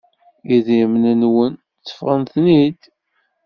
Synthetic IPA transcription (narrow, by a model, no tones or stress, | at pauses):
iðjəmnənwən | t͡sːə̥fʁənθnid̪